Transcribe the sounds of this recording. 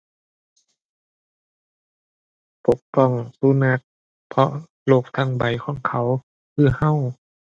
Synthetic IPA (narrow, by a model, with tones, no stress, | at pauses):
po˨˦k̚pɔ˧˩˨ŋsu˧˦na˧k̚ | pʰɔ˧ʔ | loː˧˩k̚t̪ʰa˧˩˨ŋba˨˦jkʰɔː˧˥˦ŋkʰa˨˦w | kʰɯː˧˩ha˧˨w